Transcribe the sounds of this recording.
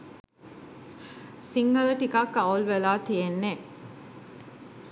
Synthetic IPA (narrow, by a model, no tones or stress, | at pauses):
siŋɡɐlɐʈikakːɐulʋelaːt̪ijenːe